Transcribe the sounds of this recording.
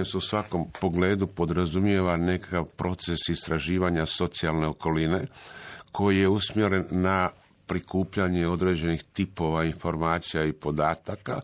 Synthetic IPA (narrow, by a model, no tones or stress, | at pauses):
eseusʋako̞mpo̞ɡle̞ːd̪upo̞d̪ɾazumje̞ʋane̞kakaʋpɾʔo̞t̪se̞sist̪ɾaʒiːʋaɲaso̞t̪sialˠne̞o̞ko̞line̞kʰo̞jije̞usmje̞ɾe̞nːa | pɾikuːpʎaɲe̞o̞d̪ɾed͡ʑe̞nixt̪ipo̞ʋainfo̞ɾmaːt̪sijaipo̞d̪aːt̪aka